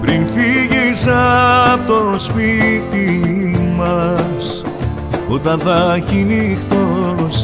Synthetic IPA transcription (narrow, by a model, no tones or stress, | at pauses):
pɾinfiʝisɐt̪ospit̪imɐs | ot̪ɐnθɐçinixθos